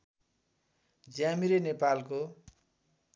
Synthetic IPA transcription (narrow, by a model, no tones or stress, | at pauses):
d͡zjamiɾenepalko